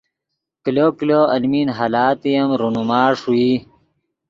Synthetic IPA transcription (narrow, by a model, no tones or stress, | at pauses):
kilokiloɐlminɦalaːt̪ijɐmɾunumaːʂui